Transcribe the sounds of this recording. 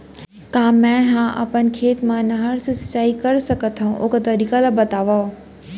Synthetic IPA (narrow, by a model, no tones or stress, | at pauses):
kaːmːɛ̃ɦãʔɐ̰pənkʰeːt̪mãnɐɦəɾsɪsɐ̥t͡ɕaːikɐɾsɐkət̪ʰaũʔʊkt̪ɐɾiːkalabɐt̪aːʋao